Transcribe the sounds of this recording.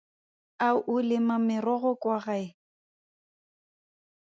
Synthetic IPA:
aʔʊlɪmamɪrɔɣɔkʼwaɣaɪ

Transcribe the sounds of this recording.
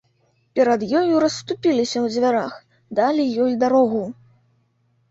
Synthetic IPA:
pʲɛɾɐd̪jɔjuɾɐst̪upʲilʲisʲɐwd͡zʲvʲaɾax | d̪alʲijɔjd̪aɾɔɣu

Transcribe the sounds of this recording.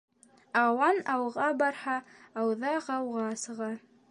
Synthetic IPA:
ɑwɑnɑwʁɑbɑɾhɑɑwðɑqɑwʁɑsɤ̆ʁɑ

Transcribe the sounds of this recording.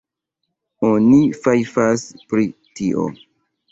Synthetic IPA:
onifajfaspɾi | tiʔo̰

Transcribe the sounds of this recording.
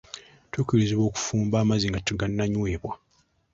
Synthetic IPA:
tukiliziβo̞ːku̥fuːmbaːmaziŋɡatuɡanːaɲweːβwa

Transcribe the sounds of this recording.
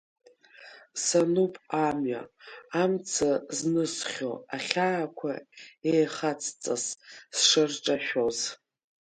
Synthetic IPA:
sanupʼamɥa̰ːmt͡sʰaznɨsχʲoaχʲaːkʷʰa̰ejχat͡sʰʼt͡sʼassʂɨrʈ͡ʂʼaʃᶣoz

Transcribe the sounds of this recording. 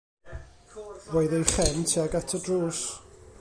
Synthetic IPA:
wojðəχɛntʰiaɡatʰədruːs

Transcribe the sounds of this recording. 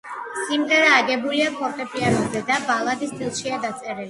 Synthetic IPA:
sʼimd̪ɛɾaːɡɛbuliapʰɔpʼɛpʼianɔbzɛd̪abalˠad̪isd̪ʼilˠʃiad̪at̪sʼɛɾɛli

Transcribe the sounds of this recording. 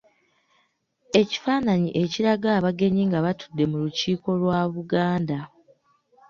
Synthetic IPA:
e̞ci̥faːnaɲiʔe̞ciɾaɡaːβaɡe̞ɲiŋɡaβatu̥dːe̞muluciːko̞lwaβuɡaːnda

